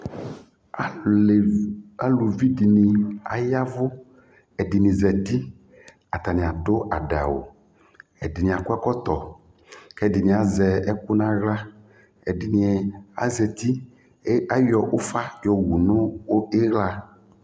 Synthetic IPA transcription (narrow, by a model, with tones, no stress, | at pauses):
a˦lu˨vi˦di˨nĩ˨a̰˨ja˦vʊ˦ | ɛ˨di˨nĩ˨zɛ˨t̪i˦ | a˨t̪a˨nĩ˨a˨ɖʊ˦ʔa˨ɖa̰˨wo̰˨ | ɛ˨dɪ˨nĩ˨a˨kʊ˦a˦kɔ˦t̪ɔ˨ | kɛ˦di˨nĩ˨a˨zɛ˨ɛ˦kʊ˦nã˦ɣla˦ | ɛ˨di˨ni˨ɛ˨a̰˦zɛ˨t̪i˦ | a˦jɔ˨ʔo˦fa˦jɔ˨wu˨nʊ̃˦e˦ɣla˦